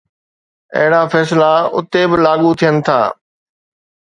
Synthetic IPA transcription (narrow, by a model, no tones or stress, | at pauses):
ɐ̰ɦɪɽafɛːslaʊ̰t̪ebɪlaːɠut̪ʰijənɪ̆t̪ʰa̰ː